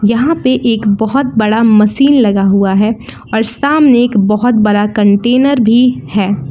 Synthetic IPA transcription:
jɐɦãpeʔeːkbɔɦʊt̪̚bɐɽamɐʃiːnlɐɡaɦuaɦɛː | ɔːɾsʈaːmneːkbɔɦʊt̪̚bɐɽakɐ̃ɳʈeːnəɾbʱihɛː

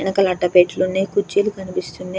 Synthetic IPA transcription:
nɐkɐlɐʈːɐpeːʈlunːeːkut͡ʃːilukɐnipist̪unːe

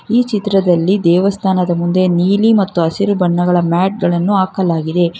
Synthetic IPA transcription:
iːt͡ʃit̪ɾɐd̪ɐlːid̪ɛːʋɐst̪ʰaːnɐd̪ɐmund̪e̞niːlimɐt̪ːuɐsiɾubɐɳːɐɡɐɭɐmaːʈ̚ɡɐɭɐnːuaːkɐlaːɡid̪e̞

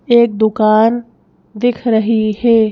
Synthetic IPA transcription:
eːk̚d̪ʊkaːn | d̪ɪkʰɾɐɦihɛː

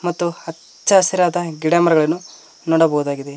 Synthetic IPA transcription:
mɐt̪ːuhɐ | t͡ʃt͡ʃːɐːsiɾaːd̪ɐɡiɽɐmɐɾɐɡɐɭɐnːu | nɔːɽɐbɐɦud̪aːɡid̪e

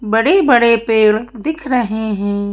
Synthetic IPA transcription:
bɐɽebɐɽepeːɭd̪ɪkʰɾɐɦeɦɛ̃ː

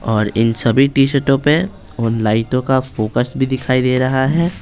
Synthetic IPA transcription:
ɔːɾɪ̰nsɐbʱiʈiːʃəɾʈõpe | ʊnlaːɪʈ̪õkafoːkəsbʱid̪ɪkʰaːid̪eːɾɐɦaɦɛː

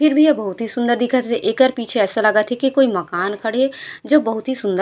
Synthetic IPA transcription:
pʰɪɾbʱijɐbɐɦʊt̪ɦisʊ̃nd̪əɾd̪ɪkʰat̪ʰeʔeːkəɾpiːt͡ʃʰeɛːsalɐɡat̪ʰekikoːimɐkaːnkʰɐɽed͡ʒoːbɐɦʊt̪ɦisʊ̃nd̪ə

